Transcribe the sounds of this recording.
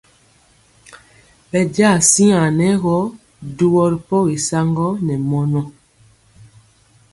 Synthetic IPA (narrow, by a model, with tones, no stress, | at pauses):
pɛ˨ɟa˦˨si˦ã˨nɛ˨˦ɣɔ˦ | du˦wɔ˦ɾi˨pɔ˦ɣi˨sa˦ŋɡɔ˦nɛ˨mɔ˦nɔ˦